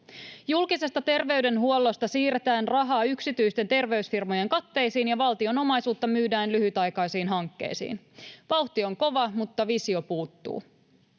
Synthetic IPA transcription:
julkise̞st̪ɑt̪e̞rʋe̞ɥde̞nɦuo̞lːo̞st̪ɑsiːɾet̪æːnrɑɦɑːyksit̪yjst̪e̞nt̪e̞rʋe̞ysfirmo̞je̞ŋkɑt̪ːe̞jsiːnjɑʋɑlt̪io̞no̞mɑjsuːt̪ːɑmyːdæːnlyɦyt̪ɑjkɑjsiːnɦɑŋkːe̞̰jsḭːn | ʋɑwht̪io̞ŋko̞ʋɑmut̪ːɑʋisio̞puːt̪ːṵː

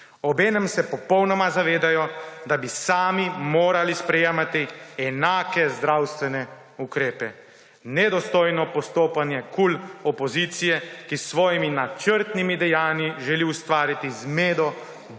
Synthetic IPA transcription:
ɔbeːnɛmsɛpɔpɔwnɔmazaʋeːd̪ajɔd̪abisaːmimoːɾalispɾɛjeːmat̪iɛnaːkɛzd̪ɾawst̪ʋɛnɛ | ukɾeːpɛ | nɛd̪ɔst̪oːjnɔpɔst̪oːpanjɛkulɔpɔziːt̪sijɛkisːʋɔːjiminat͡ʃəɾt̪nimid̪ɛjaːniʒɛliust̪ʋaːɾit̪izmeːd̪ɔ

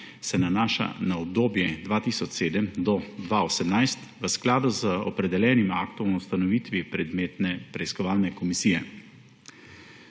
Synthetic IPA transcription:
sɛnanaːʃa̰naɔb̚d̪oːbjɛd̪ʋaːt̪isɔt͡ʃseːd̪əmd̪ɔd̪ʋaosɛmnajst̪ʋəsklaːd̪uzəɔpɾɛd̪ɛljɛːnimakt̪ɔmust̪anɔʋiːt̪ʋipɾɛd̪met̪nɛpɾɛiskɔʋaːlnɛkɔmisijɛ

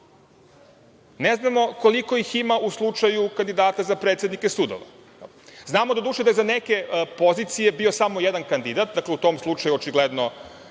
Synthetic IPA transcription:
neznamo̞ko̞liko̞jiximaʔuslˠut͡ʂajukand̪id̪aːt̪azapɾet̪sʲed̪nikesud̪o̰ʋa̰ | znaːmod̪ad̪uːʃed̪ajezaneke̞po̞zit̪sije̞bio̞samojed̪ankand̪id̪at̪̚d̪akleut̪o̞mslˠut͡ʃajuot͡ʃiɡled̪no̞

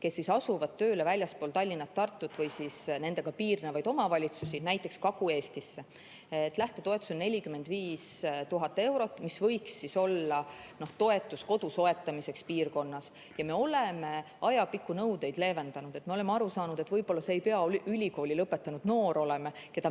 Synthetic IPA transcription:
ke̞sːisɑsuvɑd̪̚t̪ːøːlevælʲjɑspoːlt̪ɑlʲːinːɑt̪ːɑrt̪ːut̪ːˑvɤjsisne̞nd̪e̞ɡ̥ɑpiːrnevɑjd̪o̞mɑvɑlʲit̪susinæjt̪ˑːe̞kskɑɡ̥ue̞ːst̪isːe̞ | t̪ːˑlæht̪et̪o̞e̞t̪ːˑu̥sennelʲikymːe̞nd̪viːst̪uɦɑt̪ːˑe̞wɾo̞t̪ːˑmisvɤ̞jksːiso̞lːɑno̞ht̪o̞e̞t̪ːˑusko̞d̪̥uso̞e̞t̪ːˑɑmise̞kspiːrko̞nːɑs | jɑme̞o̞le̞me̞ | ɑjɑpikːˑunɤwd̪e̞jd̪̥le̞ːve̞nd̪̥ɑnud̪̥e̞t̪ˑme̞o̞le̞meɑɾusɑːnud̪̥e̞t̪ːvɤjb̥o̞lːɑseːjpe̞ɑylʲiko̞ːlʲilɤpːe̞t̪ːˑɑnud̪no̞ːɾo̞le̞meke̞d̪̥ɑ

